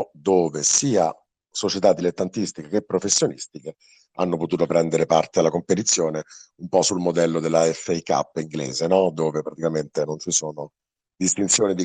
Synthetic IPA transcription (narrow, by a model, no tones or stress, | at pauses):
d̪oːvesiːa | sot͡ʃet̪ad̪ːilet̪ːant̪ist̪ikek̟epːɾofesːjonḭst̪ike | a̰nːopot̪uːt̪opɾɛnd̪eɾepart̪ealːakompet̪̬it̪sːjoːneumpɔsːulmod̪ɛlːod̪elːaɛfːeika̰pːiŋɡlḛːzenɔd̪oːvepɾat̪ikament̪enont͡ʃisoːno | d̪ist̪int̪sjoːnid̪i